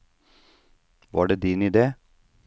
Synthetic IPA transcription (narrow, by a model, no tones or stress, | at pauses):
ʋɑ̰ːɖeːd̪iːnɪd̪eː